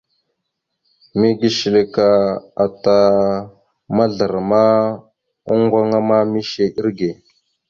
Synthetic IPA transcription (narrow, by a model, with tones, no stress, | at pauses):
mi˦ɡi˦ʃi˨le˨ka˨a˨ta˨ | ma˦ɮə˨ɾma˦ | u˦ŋɡʷa˦ŋa˦ma˦mi˦ʃe˦ʔi˦ɾɡe˨